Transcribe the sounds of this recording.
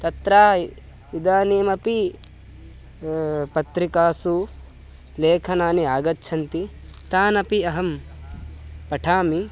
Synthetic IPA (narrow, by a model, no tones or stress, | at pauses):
t̪ɐt̪ɾaː | id̪aːniːmɐpi | pɐt̪ɾikaːsu | leːkʰɐnaːniaːɡɐtːt͡ʃʰɐnt̪i | t̪aːnɐpiɐɦɐm | pɐʈʰaːmi